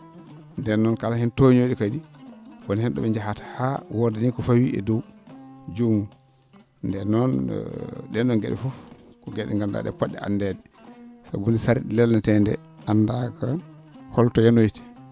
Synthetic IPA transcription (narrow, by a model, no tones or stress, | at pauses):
ndɛnːɔnkalahɛntoɲoɗikadiwɔnhɛnɗɔ̰ɓɛɲd͡ʒahatḁhawɔdɛnikɔfawiʔɛ̰dɔwd͡ʒumu | ndɛnɔn̰ | ɗɛnːɔnɡɛɗɛ̰fufkɔɡɛɗɛ̰ŋɡamda̰ɗɛ̰pɔɗːɛ̰a̰ndɛdɛ | sa̰ɡunisaɾiɗilɛlnatɛndɛ̰ | andaka | hɔltɔjanojti̥